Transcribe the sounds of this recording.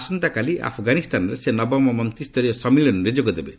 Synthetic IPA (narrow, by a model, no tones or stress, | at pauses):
sɔnt̪akaliʔa̰pʰɔɡanist̪anɔɾesenɔbɔmɔmɔnt̪ɾist̪ɔɾijɔsɔmiɭɔnuɾed͡ʒoɡɔd̪ebe